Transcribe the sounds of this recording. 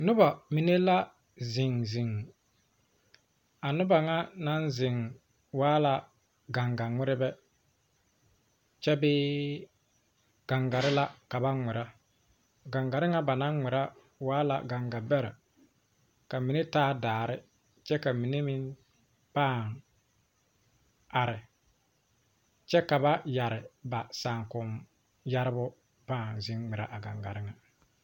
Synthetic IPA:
nʊ˦ba˨mi˨ne˦la˦ | zɪ˨ŋzɪ˨ŋ | a˨nʊ˦ba˨ŋa˦na˦nzɪ˨ŋ | waː˦la˨ | ɡa˨ŋɡa˨ŋʷɪ˦ɾɪ˦bɛ˦ | t͡ʃɛ˦bɪː˦ | ɡ̥a˨ŋɡa˨ɾɪ˦la˦ka˨ba˦ŋɛ˨ɾa˦ | ɡa˨ŋɡa˨ɾɪ˦ŋa˦ba˨na˦ŋ˦ŋɪ˨ɾa˦ | waː˦la̰˨ɡa˨ŋɡa˨bɛ˦ɾa̰˨ | ka˨mi˨ne˦taː˦daː˨ɾɪ˦ | t͡ʃɛ˦ka˨mi˨ne˦mɪ˦n | paː˦˨ŋ | a˨ɾɪ˨ | t͡ʃɛ˦ka˨ba˦ja˨ɾɪ˨ba˨saː˨ŋkʊ˨m | ja˦ɾɪ˦bʊ˦ | paː˦˨ŋzɪ˦ŋŋ͡mɪ˨ɾa̰˦ʔa˨ɡa̰˨ŋɡa̰˨ɾɪ˦ŋa˨

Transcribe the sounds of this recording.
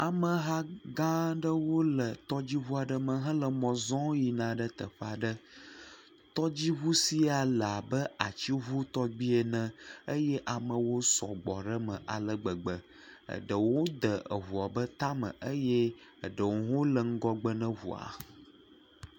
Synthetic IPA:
a˨mə˨ɦa˦ɡã˦ɖə˦wo˦lə˨t̪ɔ˦d͡ʑi˦ɦu˦a˨ɖə˦mə̃˨ɦə̃˦lə˨mɔ̃˨zɔ̃˦ji˨nã˨ɖə˦t̪ə̰˨ɸa˨ɖə˦ | t̪ɔ˦d͡ʑi˦ɦu˦si˦a˨la˨bə˦a˨t͡ɕi˦ɦu˦t̪ɔ˦ɡ͡bi˦e˨nə̃˦˨ə˦jɛ˦ʔa˨mə̃˨wo˦sɔ̰˨ɡ͡bɔ˨ɖə˦mə̰̃˨ʔa˨lə˨ɡ͡bə˨ɡ͡bə˨ | ə̰˨ɖə˨wo˦d̪ə˨ə̰˨ɦu˨a˨bə˦t̪a˦mə̰̃˨ʔə˦jɛ˦ə˨ɖə˨wo˨˦ɦo˦lə˨ŋ̩˦ɡɔ˦ɡ͡bə˦nə̃˦ɦṵ˨a̰˨

